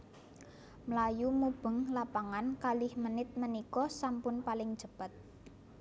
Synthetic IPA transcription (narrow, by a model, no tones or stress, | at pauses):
məlajumub̥ə̤ŋlapaŋankalɪhmənɪt̪̚mənikɔsampʊnpalɪŋd̥ʒ̥ə̤b̥ə̤t̪̚